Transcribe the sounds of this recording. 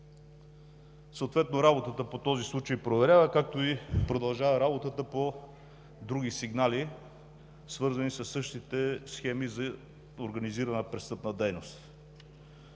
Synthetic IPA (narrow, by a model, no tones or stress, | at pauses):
səot̪vɛt̪noɾabot̪ət̪əpot̪ɔzislˠut͡ʃəjpɾovɛɾʲavəkak̚t̪oipɾod̪ɐlˠʒavəɾabot̪ət̪əpo | d̪ɾuɡ̟isiɡnali | svɤɾzɐnisɐsːɤʃt̪it̪ɛsxɛmizɐ | oɾɡɐniziɾɐnəpɾɛst̪ɤpnəd̪ɛjnost̪